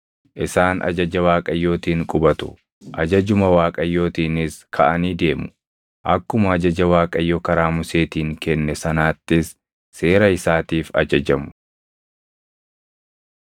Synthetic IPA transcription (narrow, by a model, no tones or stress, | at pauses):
ʔɪsaːnʔɐ̰d͡ʒɐd͡ʒɐwaːkʼɐjːo̞ːt̪iːŋkʼʊbɐt̪ʊ̰ | ʔɐd͡ʒɐd͡ʒʊmɐwaːkʼɐjːo̞ːt̪iːnɪskʰɐʔɐniːd̪e̞ːmʊ̥ | ʔɐkːʊmɐːd͡ʒɐd͡ʒɐwaːkʼɐjːɔkɐɾaːmʊse̞ːt̪iːŋkɛnːɛsɐnaːt̪ːɪsː | e̞ːɾɐɪsaːt̪iːfɐ̰d͡ʒɐd͡ʒɐmʊ̥